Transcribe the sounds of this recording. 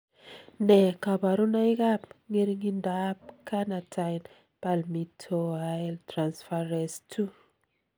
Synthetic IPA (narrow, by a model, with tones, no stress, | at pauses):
nɛ˨ka˨ba˨ɾu˦na˦i˦ka˦pŋe˦ɾi˦ŋi˦ndap̚ka˦na˨tʰajn | palmitʰoaltɾansfaɾɛstʰu